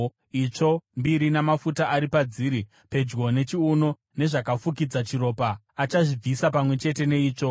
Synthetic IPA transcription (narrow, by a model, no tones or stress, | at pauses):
it͡ʂo̞mbiɾinamafutaʔaɾipad͡ziɾi | pe̞d͡ʒɡo̞ne̞t͡ʃiuno̞ | ne̞ʐakafuk̬id͡zat͡ʃiɾo̞ːpa | at͡ʃaʐib͡visapamwe̞t͡ʃe̞te̞ne̞iːt͡ʂo̞